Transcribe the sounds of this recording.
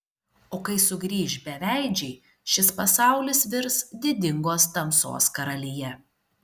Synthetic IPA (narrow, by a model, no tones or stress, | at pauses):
oːkɐɪsʊɡɾʲiːʃbʲɛʋʲæˑɪd͡ʒʲɛɪ | ʃʲɪspɐsɑˑʊlʲɪsʋʲɪɾsd̪ʲɪd̪ʲɪŋɡoːst̪ɐmso̰ːskɐɾɐlʲɪjɛ